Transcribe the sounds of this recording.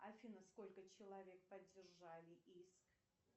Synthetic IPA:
ɐfʲinəsko̞lʲkət͡ɕɪlˠɐvʲe̞k̚pədʲːɪrʐalʲɪʔisk

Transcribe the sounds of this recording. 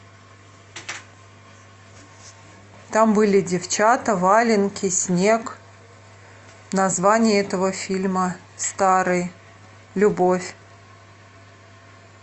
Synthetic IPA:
t̪ambɨlʲɪdʲɪft͡ɕat̪əvalʲɪnkʲɪsʲnʲek | nɐzvanʲɪjɛt̪əvəfʲilʲmə | st̪aɾɨj | lʲʊbofʲ

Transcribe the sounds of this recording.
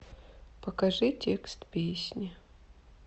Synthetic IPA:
pɐkɐʐɨtʲekst̪pʲesʲnʲi

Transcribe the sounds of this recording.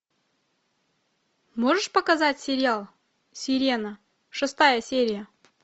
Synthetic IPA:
moʐɨʂpɐkɐzatʲsʲɪɾʲɪalˠ | sʲɪɾʲenə | ʂɨst̪ajəsʲeɾʲɪjə

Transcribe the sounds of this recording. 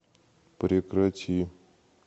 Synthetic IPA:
pɾʲekɾɐtʲi

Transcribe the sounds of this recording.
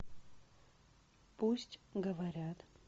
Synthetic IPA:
puɕt͡ɕɡəʋaɾjat̪

